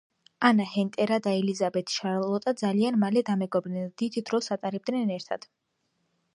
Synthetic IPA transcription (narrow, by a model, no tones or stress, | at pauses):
anahɛnt̪ʼɛɾad̪aɛlizabɛt̪ʰi̥ʃaɾlˠɔt̪ʼad̪zalianmalɛd̪amɛɡɔbɾnɛd̪̥id̪d̪ɾɔsat̪ʼaɾɛb̚d̪nɛnɛɾt̪ʰa̰d̪̥